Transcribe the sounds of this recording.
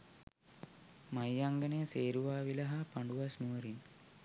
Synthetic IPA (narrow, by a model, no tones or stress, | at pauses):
majːaŋɡənəjəseːɾuʋaːʋilɐɦapaɳɖuʋasnuʋəɾin